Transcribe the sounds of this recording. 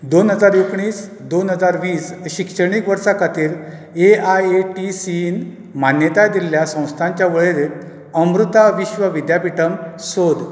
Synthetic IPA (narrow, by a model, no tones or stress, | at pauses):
d̪onɦəd͡zaɾjokɳiːs | d̪onɦəd͡zaɾʋiːsɕikʂəɳ̃ikʋəɾsakat̪ʰiːɾ | eajeʈisin | manjət̪ajd̪ilːjasə̃w̃st̪ʰãɲt͡ɕjaʋəɭeɾet̪ | əmɾut̪aʋiɕʋəʋid̪japiʈəmsod̪